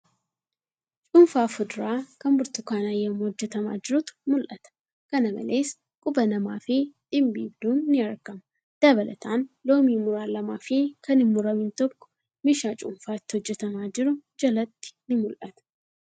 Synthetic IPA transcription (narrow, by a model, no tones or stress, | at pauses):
t͡ʃʼʊɱfaːfʊd̪ɾaːkɐmbʊɾt̪ʊkaːnajɐmːhɔd͡ʒːɛt̪ɐma̰ːd͡ʒɪɾʊt̪mʊlʔɐt̪ɐ̥ | kɐnɐmɐ̰leːs | kʼʊbɐnɐmaːfɪᶑ̪̥ɪmbḭːbd̪uːnːɪɐɾkɐmɐ | d̪̥ɐβɐlɐ̰t̪ʰaːnlo̞ːmiːmʊɾaːlɐmaːfikɐnɪmːʊɾɐmɪnt̪ɔkːɔ̥ | mɪʃaːt͡ʃʼʊmfaːɪt̪ːɪhɔd͡ʒːɛt̪ɐmaːd͡ʒɪɾʊd͡ʒɐlɐt̪ːɪ̥nɪmʊlʔɐt̪ɐ̥